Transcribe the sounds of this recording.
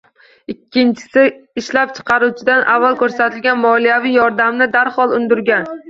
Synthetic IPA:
ɪkʲʰːɪnt͡ʃʰɪ̥sɪɪʃlap̚t͡ʃʰɨ̥qʰɑɾut͡ʃʰɪd̪anʔavːalˠkʲʰɵɾsat̪ʰɪlɡʲanmɒlijavijɒɾd̪amnɪd̪aɾhɒlˠʊnd̪ʊɾɡʲan

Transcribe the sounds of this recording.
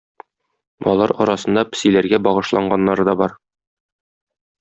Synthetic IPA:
ɒ̰lˠɑɾɒɾɑsɤ̆nd̪ɑpɘ̥̆silæɾɡæbɒʁɤ̆ʃlˠɑɴɢɑnːɑɾɤd̪ɒbɒɾ

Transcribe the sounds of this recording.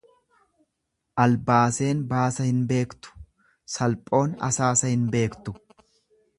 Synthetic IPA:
ʔɐlbaːse̞ːnbaːsɐhɪnbe̞ːkt̪ʊ̥ | sɐlpʼo̞ːnɐ̰saːsɐhɪnbe̞ːkt̪ʊ̥

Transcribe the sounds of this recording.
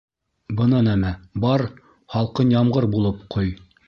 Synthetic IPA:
bɤ̆nɑnæmæbɑɾ | χɑlˠqɤnjɑmʁɤɾbulˠɤpqʰoj

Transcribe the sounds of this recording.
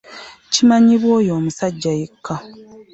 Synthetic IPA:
cimaɲiβwo̞ːjo̞ːmusaɟːajekʰːa

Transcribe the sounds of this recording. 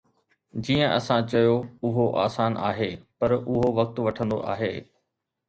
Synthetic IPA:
d͡ʑiːə̃ʔɐ̰sãt͡ɕɐjoʊɦoʔa̰ːsaːnʔa̰ːɦepɐɾʊɦoʋɐk̚t̪ʋɐʈʰə̃nd̪o̰ʔa̰ːɦeː

